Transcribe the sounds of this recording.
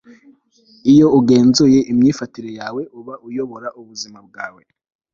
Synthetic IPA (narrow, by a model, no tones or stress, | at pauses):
ijo̞uɡe̞ːnzoje̞ʔimɲiːfatiɾe̞jaːwe̞ʔuβaujo̞βo̞ɾaʔuβuzimab̚ɡaːwe̞